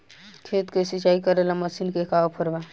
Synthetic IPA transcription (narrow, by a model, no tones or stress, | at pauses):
kʰeːt̪kesit͡ʃaːikəɾelamɐsiːnkekaːwpʰəɾʋaː